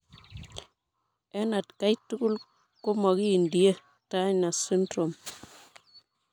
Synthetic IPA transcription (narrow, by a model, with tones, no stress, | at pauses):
ɛ˦na˨tka˦jtu˦ku˦l | ko˦mɔ˨kiː˦˨ndi˨je˦ | ta˦ɲna˨si˦ndɾo˨m